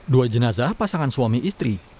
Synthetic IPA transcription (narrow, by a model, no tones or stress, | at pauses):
duajd͡ʒənazahpasaŋansuamiʔist̪ɾi